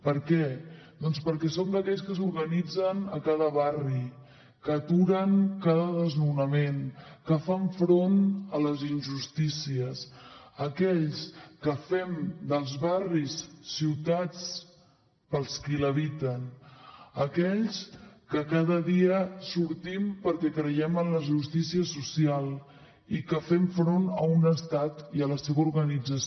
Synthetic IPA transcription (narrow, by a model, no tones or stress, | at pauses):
pəɾkɛd̪ɔnspəɾkɛsomd̪əkɛʎskəsuɾɣənid͡zənəkaðəβari | kət̪uɾəŋkaðəðəznunəmenkəfaɱfɾonələzinʒust̪isiəs | əkɛʎskəfɛmd̪əlˠzβarisːiwt̪at͡s | pəlˠskiləβ̞it̪ən | əkɛʎskəkaðəðiəsuɾt̪impəɾkɛkɾəjɛmənləʒust̪isiəsusialˠ | ikəfɛɱfɾonəunəst̪at̪iələseβəuɾɣənid͡zəs